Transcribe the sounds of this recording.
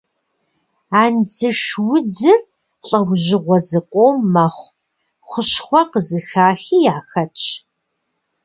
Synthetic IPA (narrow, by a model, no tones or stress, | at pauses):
aːnd͡zɨʂwʊd͡zɨr | ɬʼɐwʑɪʁʷɔzɨqʷʼoːmːɐχʷ | χʷʊɕχʷɔqəzɨxaːxiːjaːxɐt͡ʃʼʰ